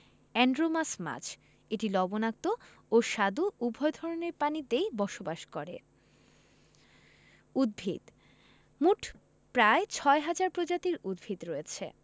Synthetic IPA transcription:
ɛɳɖɾomasma̰t͡ɕʰ | eʈilɔbonak̚t̪o | oʃad̪uʔubʱɔed̪ʱɔɾoneɾpanit̪ejbɔʃobaʃkɔɾḛ | ud̪̚bʱḭd̪ | muʈʰ | pɾaet͡ɕʰɔeɦad͡ʑaɾpɾod͡ʑat̪iɾud̪̚bʱid̪ɾoet͡ɕʰḛ

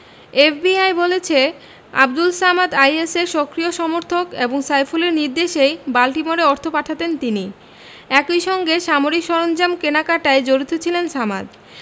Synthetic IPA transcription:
efbiajbolet͡ɕʰe | a̰b̚d̪ulsamad̪ajeseɾʃɔkɾioʃɔmoɾt̪ʰokeboŋsajfuleɾniɾd̪eʃejbalʈimoɾeɔɾt̪ʰopaʈʰat̪ent̪ini | ɛkojʃɔŋɡeʃamoɾikʃɔɾond͡ʑamkenakaʈaed͡ʑoɾit̪ʰot͡ɕʰilensama̰d̪

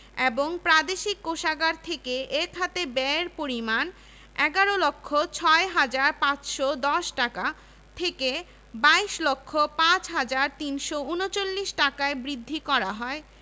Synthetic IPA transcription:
eboŋpɾad̪eʃikːoʃaɡaɾt̪ʰekeek̪ʰat̪ebɛɾpoɾiman | ɛɡaɾolokʰːot͡ɕʰɔeɦad͡ʑaɾpãt͡ɕʃod̪ɔʃʈaka | t̪ʰeke | baiʃlokʰːopãt͡ɕɦad͡ʑaɾt̪inʃounot͡ɕolːiʃʈakaebɾid̪ʱːikɔɾaɦɔe

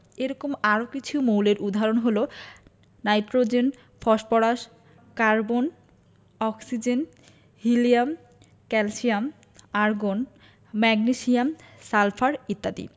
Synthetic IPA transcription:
eɾɔkomaɾokit͡ɕʰumowleɾʔud̪ʱaɾonɦolo | najʈɾod͡ʑen | fʰɔʃpɔɾaʃ | kaɾbon | ɔksid͡ʑen | ɦiliam | kɛlsiam | aɾɡon | mɛɡniʃiamsalfʰaɾit̪ːat̪ḭ

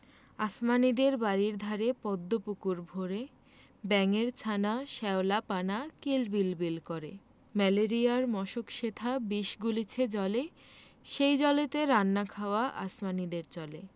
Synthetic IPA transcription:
asmanid̪eɾbaɾiɾd̪ʱaɾepɔd̪ːopukuɾbʱoɾe | bɛŋeɾt͡ɕʰanaʃɛolapanakelbilbilkoɾḛ | mɛleɾiaɾmɔʃokʃet̪ʰabiʃɡulit͡ɕʰed͡ʑɔle | ʃejd͡ʑɔlet̪eɾanːakʰaoaʔa̰smanid̪eɾt͡ɕɔle

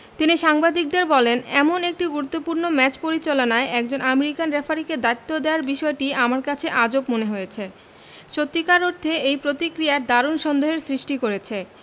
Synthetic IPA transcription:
t̪iniʃaŋbad̪ik̚d̪eɾbɔlenɛ̰monek̚ʈiɡuɾut̪ːopuɾnomɛt͡ɕpoɾit͡ɕalonaeʔɛk̚d͡ʑonʔameɾikanɾefʰaɾiked̪ajt̪ːod̪eaɾbiʃɔeʈiamaɾkat͡ɕʰeʔad͡ʑobmoneɦojet͡ɕʰe | ʃot̪ːikaɾoɾd̪ʰʱeejpɾot̪ikɾijaɾd̪aɾonʃɔnd̪oɦeɾsɾiʃʈikoɾet͡ɕʰe

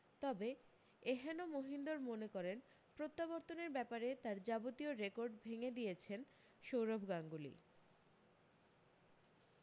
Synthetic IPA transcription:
t̪ɔbe | eɦɛnomoɦind̪oɾmonekɔɾen | pɾot̪ːabɔɾt̪oneɾbɛpaɾet̪aɾd͡ʑabot̪ioɾekoɾɖbʱeŋed̪ijet͡ɕʰen | ʃowɾobʱɡaŋɡulḭ

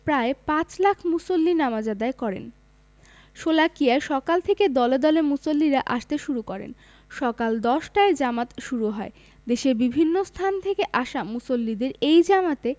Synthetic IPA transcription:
pɾaepãt͡ɕlakʰmusolːinamad͡ʑad̪aekɔɾḛn | ʃolakiaeʃɔkalt̪ʰeked̪ɔled̪ɔlemusolːiɾaʔaʃt̪eʃuɾukɔɾḛn | ʃɔkald̪ɔʃʈaeɾd͡ʑamat̪ʃuɾuɦɔe | d̪eʃebibʱinːost̪ʰant̪ʰekeʔaʃamusolːid̪eɾejd͡ʑamat̪e

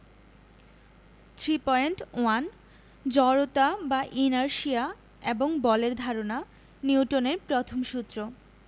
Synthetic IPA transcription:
t̪ʰɾipɔeɳʈoan | d͡ʑɔɾot̪abaʔinaɾʃia | eboŋbɔleɾd̪ʱaɾona | niwʈoneɾpɾot̪ʰomʃut̪ːɾo

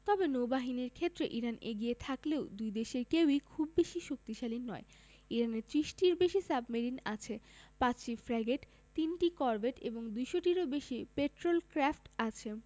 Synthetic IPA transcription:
t̪ɔbenowbaɦiniɾkʰet̪ːɾeʔiɾaneɡiet̪ʰakleʊd̪ujd̪eʃeɾkewikʰubːeʃiʃok̚t̪iʃalinːɔe | iɾaneɾt̪ɾiʃʈiɾbeʃisabmeɾina̰t͡ɕʰepãt͡ɕʃifɾaɡeʈ | t̪inʈikɔɾbʱeʈḛboŋd̪ujʃoʈiɾobeʃipeʈɾolkɾafʈat͡ɕʰe

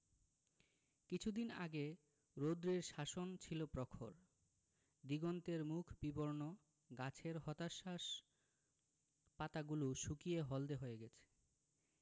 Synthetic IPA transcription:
kit͡ɕʰud̪ina̰ɡe | ɾod̪ɾiɾʃaʃont͡ɕʰilopɾɔkʰoɾ | d̪iɡont̪eɾmukʰbiboɾno | ɡat͡ɕʰeɾɦɔt̪aʃaʃ | pat̪aɡuluʃukijeɦɔld̪eɦoeɡɛt͡ɕʰe̥

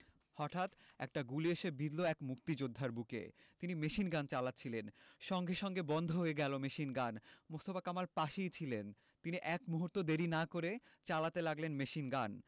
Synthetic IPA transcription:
hɔʈʰat̪ɛ̰k̚ʈaɡulieʃebid̪loɛkmukt̪id͡ʑod̪ʱːaɾbukḛt̪inimeʃinɡant͡ɕalat̪ːt͡ɕʰilenʃɔŋɡʱeʃɔŋɡebɔnd̪ʱoɦoeɡɛlomeʃinɡanmost̪ofakamalpaʃijt͡ɕʰilen | t̪iniʔɛkmuɦuɾt̪od̪eɾinakoɾet͡ɕalat̪elaɡlenmeʃinɡan

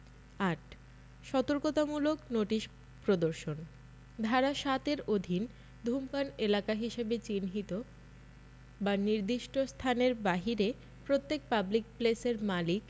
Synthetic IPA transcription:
aʈ | ʃɔt̪oɾkot̪amuloknoʈiʃ | pɾod̪oɾʃon | d̪ʱaɾaʃat̪eɾod̪ʱin | d̪ʱumpanelakaɦiʃebet͡ɕinɦit̪o | baniɾd̪iʃʈost̪ʰaneɾbaɦiɾe | pɾot̪ːek̚pablik̚pleseɾmalik

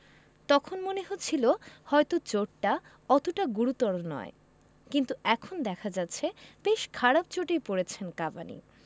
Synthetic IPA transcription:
t̪ɔkʰonmoneɦot͡ɕʰilohɔet̪ot͡ɕoʈʈa | ɔt̪oʈaɡuɾut̪ːɔɾonɔ̰e | kint̪uɛkʰond̪ɛkʰad͡ʑat̪ːɕʰeb̥eʃkʰaɾab̚t͡ɕoʈejpoɾet͡ɕʰenkaba̰nḭ

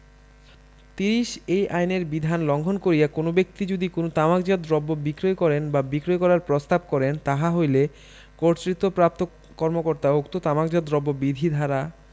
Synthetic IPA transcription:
t̪iɾiʃejʔajneɾbid̪ʱanlɔŋɡʱonkoɾijakonobek̚t̪id͡ʑod̪ikonot̪amakd͡ʑad̪ɾɔbːobikɾojkɔɾenbabikɾojkɔɾaɾpɾost̪ab̚kɔɾent̪aɦaɦojle | koɾt͡ɕɾit̪ːopɾap̚t̪o | kɔɾmokoɾt̪aokt̪ot̪amak̚d͡ʑɔd̪ɾɔbːobid̪ʱid̪ʱaɾa

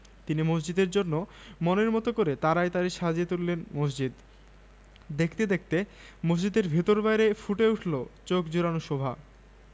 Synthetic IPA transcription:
t̪inimos̬d͡ʑid̪eɾd͡ʑonːo | moneɾmɔt̪okoɾet̪aɾaet̪aɾiʃad͡ʑet̪ulːenmos̬d͡ʑid̪ | d̪ekʰt̪ed̪ek̚ʰt̪e | mos̬d͡ʑid̪eɾbʱit̪oɾbajɾefuʈeuʈʰlot͡ɕokd͡ʑoɾanoʃɔbʱa̰

